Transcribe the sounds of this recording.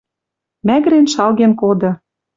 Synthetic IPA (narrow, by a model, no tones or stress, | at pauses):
mæɣɾenʃɑlɣenkod̪ɤ̆